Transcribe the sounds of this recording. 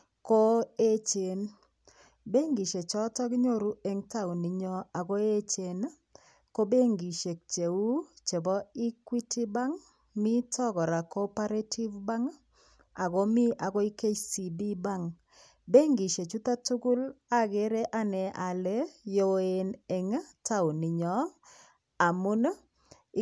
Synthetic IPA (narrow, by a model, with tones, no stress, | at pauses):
ko˦e˦t͡ʃe˨n | be˦ŋɡi˨ʃe˨t͡ʃɔ˦tɔ˦kɲo˦ɾu˦e˦ŋta˦u˨ni˨ɲɔ˦a˨ɡo˦e˦t͡ʃe˨n˦ | ko˦be˦ŋɡi˨ʃe˨k̚t͡ʃe˨u˦t͡ʃe˨bɔ˦i˦kwi˦ti˦ba˦ŋ | mi˦tɔ˦ɡɔ˨ɾa˨kɔ˦pa˦ɾe˦tʰi˦vba˦ŋ˦ | a˨ɡo˦mi˦ʔa˨ɡɔ˦i˦ke˦t͡ʃsi˨bi˦ba˦ŋ | be˦ŋɡi˨ʃe˨t͡ʃu˦t̪a˦tu˦ɡu˦la˦ɡe˦ɾe˦ʔa˦nɛ˨ʔa˨le˦jo˨e˨ne˨ŋ˦ta˦ʊ˨nɪ˨ɲɔ˨˦ | a˨mʊ˦n˦